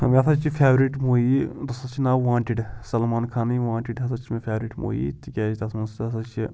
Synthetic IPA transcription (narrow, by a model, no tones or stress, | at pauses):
mʲɐt̪ʰɐt͡ʃʰifʰʲeːʋɾiʈmoːjid̪ɐsɐt͡ʃʰinaʋãːɳʈiɖsɐlmaːnkʰaːniʋãːɳʈiɖɦɐs̬ɐt͡ʃʰimefʰʲeːʋɾiʈmo̰ːjḭt̪ikʲaːd͡ʒit̪ɐsmɐnsd̪ɐsɐt͡ʃʰi